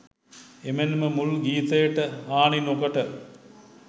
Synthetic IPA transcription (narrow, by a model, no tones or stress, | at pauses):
emenməmulɡiːt̪əjəʈəaːɳinokəʈə